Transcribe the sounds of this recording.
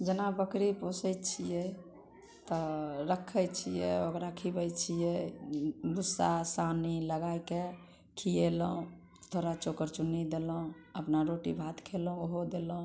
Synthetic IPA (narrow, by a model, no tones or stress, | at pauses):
d͡ʒənabəkɾiposət͡ʃʰijɛ | t̪ɔɾəkʰəjt͡ʃʰijɛokɾakʰibət͡ʃʰijɛ | busːasaniləɡajke | kʰijeləũ | t̪ʰoɾat͡ʃokəɾt͡ʃunid̪elũəpnaɾoʈḭbʱat̪kʰelũoɦod̪elũ